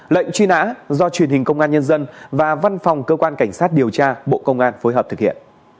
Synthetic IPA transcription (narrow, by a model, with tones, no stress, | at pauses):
lə̰˧˨jŋ̟t͡ɕwi˧na̰ː˧˥zɔ˧t͡ɕwi˨˩ənhi˨˩ŋ̟kə˧wŋ͡mʔaː˧nɲə˧nzə˧nvaː˨˩va˧nfɔ˨˩wŋ͡mkəː˧kwaː˧nka˧˩jŋ̟saː˦˥t̚ɗi˨˩əwt͡ɕaː˧ɓo̰˧˨kə˧wŋ͡mʔaː˧nfo˨˦jɦəː˨˩p̚t̪ɨ˨˩k̚hḭ˧˨ən